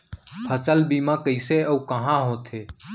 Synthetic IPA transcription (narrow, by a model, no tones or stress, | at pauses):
pʰət͡ʃəlbiːmãːkəɪseːəːkəɦãːɦõːt̪ʰeː